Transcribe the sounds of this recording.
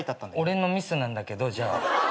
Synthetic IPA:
it̪at̪ːãnd̪o̞ɾe̞no̞mʲisɨnãnd̪ake̞d̪o̞ʑaː

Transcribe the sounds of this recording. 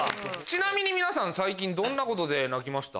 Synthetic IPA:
t͡ɕinamʲiɲ̟imʲinasãñsaikʲĩnd̪õ̞nːako̞t̪o̞d̪e̞nakʲimaɕi̥t̪a̰

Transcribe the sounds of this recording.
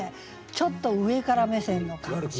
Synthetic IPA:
e | t͡ɕo̞t̪ːo̞ɯ̟e̞kaɾamesẽ̞nːoka

